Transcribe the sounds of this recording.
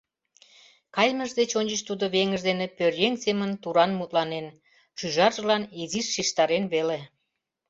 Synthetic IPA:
kɑjməʒd̪et͡ɕonʲt͡ɕəʃt̪ud̪oβeŋəʒd̪enepørjeŋsemənt̪uɾɑnmut̪̚lɑnen | ʃyʒɑrʒəlɑniziʃːiʃt̪ɑɾenβele

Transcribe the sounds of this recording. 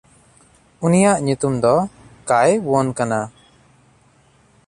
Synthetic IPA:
unijaʔɲut̪umd̪ɔkajbɔnkana

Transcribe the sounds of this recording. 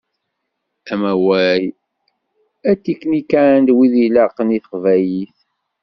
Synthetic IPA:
æmæwæj | æt͡sːikːnikænd̪wiðilɑqəniθəqvæjiθ

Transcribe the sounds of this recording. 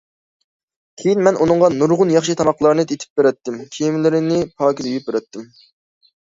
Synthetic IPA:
kʲʰejinmɛnʔunɨŋʁɑnuɾʁʊnjɑχʃit̪ʰɑmɑqlˠɑɾnɨt̪ʰet̪ʰɪ̥p̚beɾɛt̪ːɪmkʲʰejimlɪɾɪnɪpʰɑːkʲid̪yjyp̚beɾɛt̪ːɪm

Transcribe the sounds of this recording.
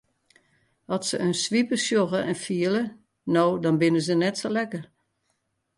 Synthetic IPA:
ɔtsəʔønsʋipəsjoɣəɛnfiələ | noːdɔnbɪnəzənɛtsolɛkər

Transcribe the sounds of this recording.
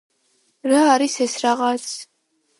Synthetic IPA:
ɾaːɾisɛsɾaʁat̪sʰ

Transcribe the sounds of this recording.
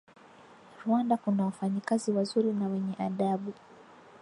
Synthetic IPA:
viwandakunawafaɲikaziwazuɾinawɛɲɛʔaɗaɓu

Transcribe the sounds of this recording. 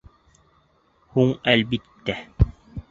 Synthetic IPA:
huɴælbit̪ːæ

